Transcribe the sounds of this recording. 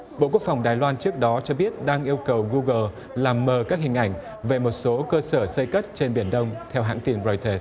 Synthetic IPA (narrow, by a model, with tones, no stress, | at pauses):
ɓo̰˧˨ku˦˥əkfa˨˩wŋ͡mɗaː˨˩jlwaː˧nt͡ɕɨ˦˥ək̚ɗɔ˨˦t͡ɕɔ˧ɓi˦˥ət̚ɗaː˧ŋʔi˧əwkə˨˩wɣu˧ɣəː˨˩ | laː˨˩mːəː˨˩kaː˦˥k̚ɦï˨˩ŋ̟ʔa̰˧˩jŋ̟ | ve˨˩mo˨˩t̚so˨˦kəː˧səː˧˩sə˧jkə˦˥t̚t͡ɕe˧nɓi˧˩ənɗə˧wŋ͡mt̪ʰɛ˧wɦa̰ː˧˥˨ŋt̪i˨˧˩nzo˧jt̪əː˧˩s